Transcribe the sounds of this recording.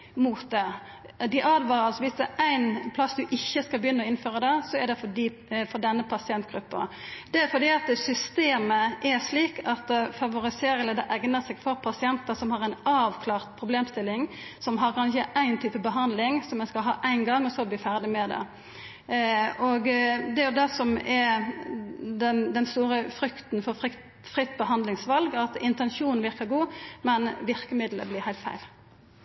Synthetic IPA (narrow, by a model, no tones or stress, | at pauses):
muːt̪̚d̪ɛ | d̪ɪʔɑːd̪ʋɑːʁɑlsɔʋɪsd̪ɛæɪnpʰlɑsd̪ʉʔɪçːəskɑlbəjʏnːəɔɪnføːʁəd̪ɛsɔɛɖ̪ɛfɔdi | fɔd̪ɛnːəpʰɑsɪɛnt̪ɡ̥ɾʉpːə̰d̪̥ɛfɔd̪iːɑt̪sʏst̪eːməʔɛʁʂliːkɑt̪fɑʋʊʁɪseːɾəlɛd̪ɛʔæɡnəsɛɡfɔɾpʰɑsɪɛnt̪əsɔmhɑʁæɪnɑːʋkʰlɑːʁt̪pʰʁʊbleːmst̪ɪlːɪŋ | sɔmɦɑʁkʰɑnɪçəʔæɪnt̪ʰyːpəbəɦɑnd̪lɪŋsɔmːɛnskɑlɦɑ̰ːʔæɪnɡɑŋːɔsɔbliːfæʁd̪ɪmɛd̪ɛ̰ | ɔɡd̪ɛɾjʊd̪ɛsɔmɛɾ | d̪ɛnd̪ɛnst̪uːʁəfʁʏkt̪nfɔʁɪ | fʁɪt̪ːbəhɑnd̪lɪŋsʋɑlɡɑt̪ɪnt̪ɛnʃuːnnʋɪɾkəɡuːmɛnʋɪʁkəmɪd̪lə̰blɪːʁhæɪlt̪fæ̰ɪl